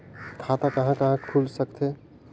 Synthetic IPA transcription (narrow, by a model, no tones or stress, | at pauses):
kʰaːt̪akɐɦãkɐɦãkʰuːlsɐkt̪ʰe